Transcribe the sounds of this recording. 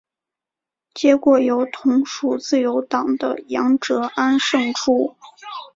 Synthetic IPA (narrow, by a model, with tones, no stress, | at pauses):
t͡ɕjɛ˧˥kwɔ˨˩jo˧˥ʊt̪ʰʊ˧˥ŋʂu˨˩t͡sɹ̩˥˩jo˧˥ʊt̪ɑ˨˩ŋd̪ə̰˦jɑ˧˥ŋʈ͡ʂɤ˧˥ʔa˥nʂɤ˥˩ŋʈ͡ʂʰu˥